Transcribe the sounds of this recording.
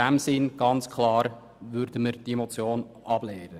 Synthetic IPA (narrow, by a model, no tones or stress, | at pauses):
æmsɪnɡ̥ɑnt͡skʰlɑːɾ | ʋʏɾdəməɾd̥iemot͡sjoːnʔɑb̥lɛːɾə